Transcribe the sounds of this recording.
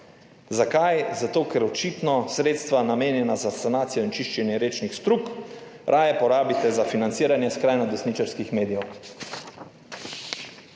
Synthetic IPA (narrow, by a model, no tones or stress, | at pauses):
zakajzat̪oːkɛɾɔt͡ʃit̪nɔsɾeːt̪st̪ʋanameːnjɛnazasanaːt̪sijɔint͡ʃiʃt͡ʃɛnjɛɾeːt͡ʃnixst̪ɾuːkɾʔaːjɛpɔɾaːbit̪ɛzafinant̪siːɾanjɛskɾajnɔd̪ɛsnit͡ʃaɾskixmeːd̪ijɛw